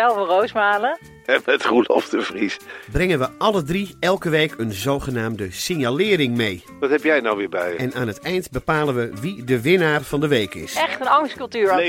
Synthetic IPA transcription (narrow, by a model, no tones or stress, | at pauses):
ɛlˠvərowsmaːlə | ɛmɛtχulɔ̰ftəvrisbrɛŋənʋəʔɑlədriɛlˠkəʋejkʰənzowχənaːmdəsɪnjalɪːrɪŋmej | ʋɑtɦɛpjɛjnawʋɪːɹbɛjɛnaːnɦətɛjntbəpaːlənʋəʋidəʋɪnaːrv̥ɑndəʋejkɪ̰sɛχtənɑŋskɵlˠtyːɹ